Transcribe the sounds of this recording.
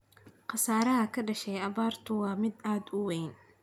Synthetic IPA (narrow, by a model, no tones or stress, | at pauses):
qɑsaːɾɐɦɐkʰɐɖɐʃɛjɐβaːrt̪ʰʊwɑːmɪd̪aːd̪ʊwɛjn